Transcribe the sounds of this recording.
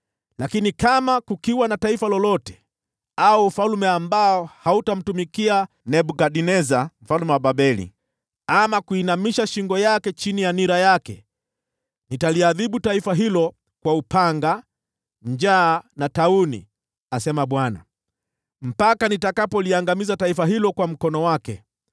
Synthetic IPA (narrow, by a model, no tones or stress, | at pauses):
lakinikamakukiwanataifalɔlɔtɛ̥ | aufalmɛambaɔhautam̩tumikia | nɛɓukaɗinɛzam̩falmɛwaɓaɓɛlḭ | amakuinamiʃaʃiŋɡɔjakɛt͡ʃinijaniɾajakɛ̰ | nitaliaðiɓutaifaɦilɔ | kwaupaŋɡa | ɲd͡ʒaːnataunḭ | asɛmaɓwana̰ | m̩pakanitakapɔliaŋɡamizataifaɦilɔkwam̩kɔnɔwakɛ